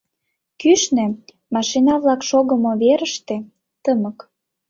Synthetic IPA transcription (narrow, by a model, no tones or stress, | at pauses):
kyʃnĕ | mɑʃinɑβlɑkʃoɣəmoβeɾəʃt̪ĕ | t̪əmək